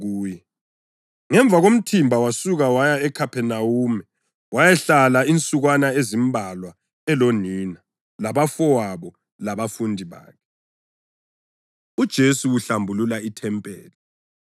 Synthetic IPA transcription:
ɣuːjɛ | ŋɛɱb̪vʱaɣom̩tʰimbʱawasuɣawajaɛkʰapʰɛnawumɛ | wajɛɬalaint͡sʼuɣwanaezimbʱalwa | ɛloniːna | laβafɔwaβɔ | laβafundʱiβa̰ːkʰɛ | ud̥ʒ̥ʱesuwuɬambʱululaitʰɛmpʼɛ̰ːlɛ

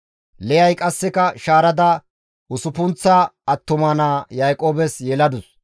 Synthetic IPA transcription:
lɛjɐjkʼɐsːɛkɐʃaːɾɐd̪ɐ | ʊsʊpʊnt͡sːɐɐt̪ːʊmɐnaːjajkʼo̞ːbɛsjɛlɐd̪ʊs

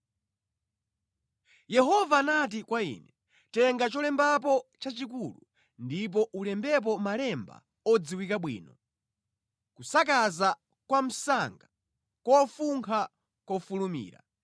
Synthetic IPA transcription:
jɛɦɔvaːnat̬ikwaḭːnɛ | tɛŋɡat͡ʃɔlɛmbap̬ɔt͡ʃat͡ʃik̬ulu | ndip̬ɔʔulɛmbɛp̬ɔmalɛmba̰ | ɔd͡ziwikaɓwḭːnɔ | kusakaza | kwam̩saŋɡa | kɔfuŋkʰa | kɔfulumḭːɾa̰

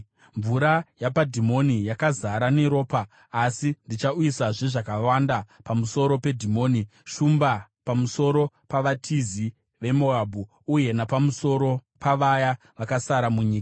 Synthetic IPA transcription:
ɱvuɾajapadʱimo̞nijakazaɾane̞ɾo̞ːpaː | sindit͡ʃauisaʐeʐakawandapamuso̞ɾo̞pe̞dʱimo̞ːniʃumbapamuso̞ɾo̞ | paʋatʰizi | ʋe̞moabʱuː | je̞napamuso̞ɾo̞paʋaja | ʋakasaɾamuɲiːka

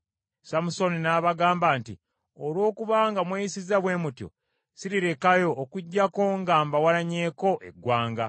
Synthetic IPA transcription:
samuso̞ninaːβaɡaːmbaːnti | olwo̞ːkuβaːŋɡamweːjisizaβwe̞ːmutjo̰ | siɾiɾe̞kajo̞ːkuɟːako̞ŋɡaːmbawaɾaɲe̞ːko̞ʔe̞̰ɡwaːŋɡa

